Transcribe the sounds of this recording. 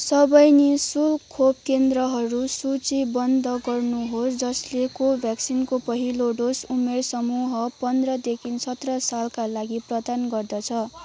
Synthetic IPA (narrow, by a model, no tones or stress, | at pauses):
sʌbʌjnisulkʰob̚kend̪rʌɦʌɾusut͡sibʌnd̪ʱʌɡʌrnuɦosd͡zʌslekobʱjaksinkopʌɦiloɖosumersʌmuɦʌpʌnd̪rʌd̪ekʰinsʌt̪rʌsalkalaɡiprʌd̪anɡʌrd̪ʌt͡sʰʌ